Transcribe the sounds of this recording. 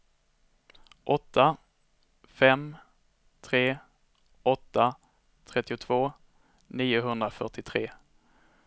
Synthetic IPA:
ʔɔt̪ːa | fɛm | t̪ʰɾeː | ɔt̪ːa | t̪ʰɾɛt̪ːɪʊt̪ʰv̥oː | niːʊɦɵnd̪ɾafœʈɪt̪ʰɾeː

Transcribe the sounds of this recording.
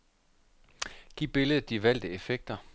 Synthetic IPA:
ɡ̥ḭb̥e̝ləðˠd̥iʋæl̰d̥əefeɡ̥̚d̥ɐ

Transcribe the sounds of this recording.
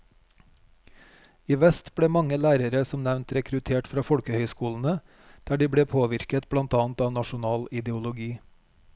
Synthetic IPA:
iːʋɛst̪b̥ɽeːmɑŋəlæːɾəɾəsɔmnæʋnt̪ɾɛkɾʉt̪ʰeːʈfɾɑːfɔɽkəhœʏskuːln̩ə | d̪̥æːɖiːbɽeːpʰoːʋɪɾkət̪bɽɑnt̪ɑːn̩t̪ɑːnɑʃʊnɑːlɪd̪ɛʊlʊɡiː

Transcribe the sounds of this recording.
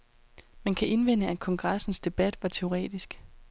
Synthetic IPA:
mænkʰæʔe̝nʋen̰əækʰɒ̽ŋɡ̥ʁasn̩sd̥e̝b̥æd̥ʋɑ̈t͡sʰe̝o̝ʁɛ̰ːd̥isɡ̥

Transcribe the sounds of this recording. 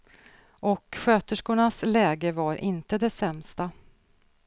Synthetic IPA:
ʔɔkɧøːt̪əʂkʊɳaslɛːɡəvaɾʔɪnt̪əd̪ɛsɛmst̪a

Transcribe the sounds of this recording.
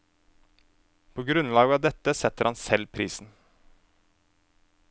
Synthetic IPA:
pʰoːɡɾʉnlɑːɡəɑːʋd̪ɛt̪əsɛt̪əɾhɑnsɛlpʰɾiːsn̩

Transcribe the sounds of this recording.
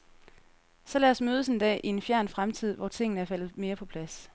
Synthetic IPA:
sɒ̽lɛɒsmøːð̞ˠəse̝nd̥ɛ̰ːʔie̝nfjæɐ̰nfʁamt͡sʰið̰ˠʋɒ̰t͡sʰe̝ŋ̰n̩əæɐfæl̰ð̩ˠme̝ːɐpʰɒ̽pʰlæs

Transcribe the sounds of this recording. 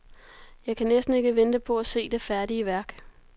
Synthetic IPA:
jɑ̈ɪkʰænesd̥n̩e̝ɡ̥əʋenəd̥əpʰɒ̽æse̝̰ːd̥e̝fæɐdiəʋæɐɡ̥

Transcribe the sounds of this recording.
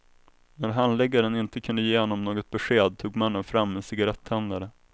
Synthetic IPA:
næɾɦanlɛɡːaɾənɪnt̪əkʰɵnd̪əjeːhɔnːɔmnoːɡɔt̪̚bɛɧeːd̪̚t̪ʰuːɡmanːənfɾamːɛnsɪɡaɾɛt̪ʰːɛnd̪aɾə

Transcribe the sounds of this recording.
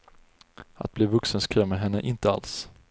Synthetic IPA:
a̰t̪̚bliːvɵksənskʰɾœmːəɦɛnːəʔɪnt̪əa̰ls

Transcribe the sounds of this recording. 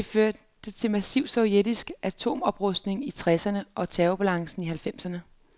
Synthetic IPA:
d̥e̝føɐ | d̥ət͡sʰe̝lmæsiʊ̥sɒʊjed̥isɡ̥ʔæt͡sʰo̝̰ːmɒ̽b̥ʁɔsd̥ne̝ŋit͡sʰʁɛsɐnəʔɒ̽t͡sʰɛːʊb̥ælɑ̈ŋsn̩iɦælfem̰sɐnə

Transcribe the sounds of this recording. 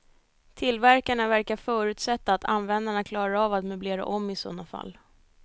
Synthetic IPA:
t̪ʰɪlvæɾkaɳavæɾkafœːɾʉ̟ːt̪sɛt̪ːaːt̪ʰa̰nvɛnd̪aɳakʰlɑːɾaavat̪mɵbleːɾa̰ʔɔmːɪsɔ̰nafa̰lː

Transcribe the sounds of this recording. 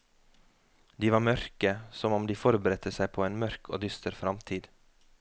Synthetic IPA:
d̪iːʋɑːmœɾkəsɔmɔmd̪iːfɔɾbəɾɛt̪ʰəsæɪpʰoːeːnmœɾkʰo̰ːd̪ʏst̪əɾfɾɑmt̪ʰiːd̪̥

